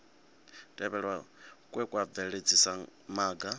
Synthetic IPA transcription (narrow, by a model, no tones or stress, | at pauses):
tʼɛβɛɺwakʼwɛkʼwaɛɺed͡zʰisamaːɡa